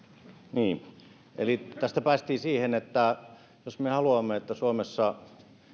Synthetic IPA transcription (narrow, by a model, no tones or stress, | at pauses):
niː | ʔḛlit̪æst̪æpæːst̪iːsiːhenet̪ːæ | josmehɑluɑmːeet̪ːæsuomesːɑ